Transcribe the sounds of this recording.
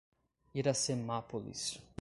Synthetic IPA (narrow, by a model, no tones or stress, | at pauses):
iɾasemapolḭs